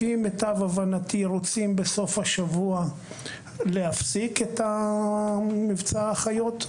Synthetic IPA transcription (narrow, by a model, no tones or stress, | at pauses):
imetavavanatiʁot͡simbeso̞fhaʃavua | le̞hafsiketa | mivt͡saaχajo̞t